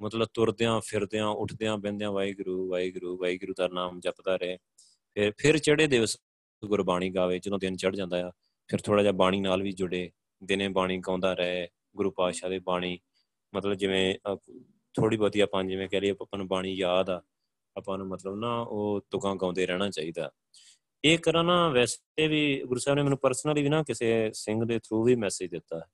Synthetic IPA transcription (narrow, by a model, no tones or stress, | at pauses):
mət̪ləb̚t̪ʊɾd̪eːãːpʰɪɾd̪eːãːʔʊʈʰd̪eːãːbɛ̃ːnd̪ejãːʋaːiːɡʊɾuːʋaːiːɡʊɾuːʋaːiːɡʊɾuːd̪aːnaːmd͡ʒəpd̪aːɾɛː | pʰɪɾpʰɪɾt͡ʃəɽeːd̪eːʋəs | ɡʊɾbaːɽ̃iːɡaːʋeːt͡ʃəd̪õːd̪ɪnt͡ʃəɽd͡ʒãːnd̪aːjaː | pʰɪɾt̪ʰoːɽaːd͡ʒaːbaːɽ̃iːnaːlʋiːd͡ʒʊɽeː | d̪ɪnẽːbaːɽ̃iːɡãːnd̪aːɾɛ | ɡʊɾuːpaːʃaːd̪eːbaːɽ̃iː | mət̪ləbd͡ʒɪʋẽː | t̪ʰoːɽiːbəd̪iːaːpãːnd͡ʒɪʋẽːkɛːlieːpənbaːɽ̃iːjaːd̪aː | əpãːnũːmət̪ləbnaːoːt̪ʊkãːɡãːnd̪eːɾɛːɽ̃aːt͡ʃaːiːd̪a̰ː | eːkəɾãːnãːʋɛːs | eːʋiːɡʊɾuːsɛːbnẽːmɛːnũːpəɾsnəliːiːnaːkɪseːsɪŋɡd̪eːt̪ʰɾuːʋiːmɛːsɪd͡ʒd̪ɪt̪ːaː